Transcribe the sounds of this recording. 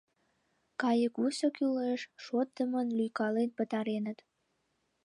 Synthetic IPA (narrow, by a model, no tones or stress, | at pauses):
kɑjəkusokyleʃʃot̪̚ːəmənlyjkɑlenpət̪ɑɾenət̪